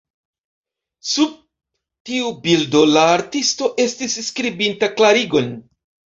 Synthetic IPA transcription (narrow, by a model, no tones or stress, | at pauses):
sub̚ | tiubildo̞laːɾtisto̞ʔe̞stisskɾibintaklaɾiɡo̞n